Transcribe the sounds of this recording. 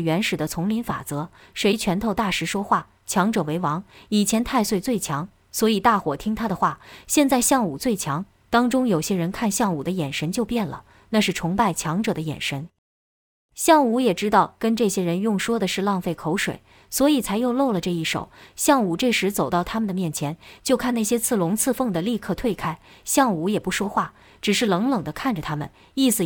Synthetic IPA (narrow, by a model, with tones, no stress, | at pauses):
ɥɛ˧˥nʂɻ̩˨˩d̪ə˦t͡sʰʊ˧˥ŋli˧˥nfa̰˨˩t͡sɤ˧˥ | ʂwe˧˥ɪt͡ɕʰɥɛ˧˥nt̪ʰo˥˧ʊt̪a˥˩ʂɻ̩˧˥ʂwɔ˥xwa˥˩ | t͡ɕʰjɑ˧˥ŋʈ͡ʂɤ˨˩we˧˥ɪwɑ˧˥ŋi˨˩t͡ɕʰjɛ˧˥nt̪ʰa˥˧ɪswe˥ɪt͡swe˥˩ɪt͡ɕʰjɑ˧˥ŋ | swɔ˧˥i˨˩t̪a˥˩xwɔ˨˩t̪ʰi˥ŋt̪ʰa˥d̪ə˨xwa˥˩ɕjɛ˥˧nt͡sa˥˧ɪɕjɑ˥˩ŋu˨˩t͡swe˥˩ɪt͡ɕʰjɑ˧˥ŋ | t̪ɑ˥ŋʈ͡ʂʊ˥ŋjo˨˩ʊɕjɛ˥ɻə˧˥nkʰa˥˧nɕjɑ˥˩ŋu˨˩d̪ə˦jɛ˨˩nʂə˧˥nt͡ɕjo˥˧ʊpjɛ˥˩nlə̰˩ | na˥˧ʂɻ̩˥˩ʈ͡ʂʰʊ˧˥ŋpa˥˩ɪt͡ɕʰjɑ˧˥ŋʈ͡ʂɤ˨˩d̪ə˦jɛ̰˨˩nʂə˧˥n | ɕjɑ˥˩ŋu˧˥jɛ˨˩ʈ͡ʂɻ̩˥t̪ɑ˥˩ʊkə˥nʈ͡ʂɤ˥˩ɕjɛ˥ɻə˧˥njʊ˥˩ŋʂwɔ˥d̪ə˨ʂɻ̩˥˧lɑ˥˧ŋfe˥˩ɪkʰo˧˥ʊʂwḛ˨˩ɪ | swɔ˧˥i˨˩t͡sʰa˧˥ɪjo˥˧ʊlo˥˩ʊlə˩ʈ͡ʂɤ˥˧i˥˩ʂo̰˨˩˦ʊɕjɑ˥˩ŋu˨˩ʈ͡ʂɤ˥˩ʂɻ̩˧˥t͡so˨˩ʊt̪ɑ˥˩ʊt̪ʰa˥mə˨nd̪ə˩mjɛ˥˩nt͡ɕʰjɛ˧˥nt͡ɕjo˥˧ʊkʰa˥˧na˥˩ɪɕjɛ˥t͡sʰɹ̩˥˩lʊ˧˥ŋt͡sʰɹ̩˥˧fɤ˥˩ŋd̪ə˩li˥˧kʰɤ˥˧t̪ʰwe˥˩ɪkʰa˥ɪ | ɕjɑ˥˩ŋu˧˥jɛ˨˩pu˧˥ʂwɔ˥xwa˥˩ | ʈ͡ʂɻ̩˨˩ʂɻ̩˥˩lɤ˧˥ŋlɤ˨˩ŋd̪ə˦kʰa˥˩nʈ͡ʂə˨˩t̪ʰa˥mə̰˨n | i˥˩sɹ̩˩